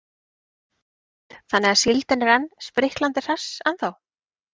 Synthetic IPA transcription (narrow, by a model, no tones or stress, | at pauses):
θanːɛɣḁsɪlt̪ɪnɪɾanːspɾɪhklant̪ɪr̥asanθaw